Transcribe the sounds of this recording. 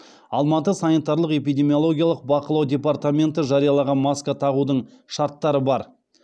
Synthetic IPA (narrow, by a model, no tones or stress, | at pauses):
ɑlˠmɑt̪əsanit̪ɑɾlˠəqe̞p̬ijd̪ʲe̞mijolˠo̞ɡʲijaɑlˠəq̚bɑqəlˠɑwd̪ʲe̞part̪amʲe̞nt̪əʒɑɾijɑlˠɑʁɑnmɑskat̪ʰɑʁud̪əɴ | ʃɑɾt̪ːɑɾəbɑɾ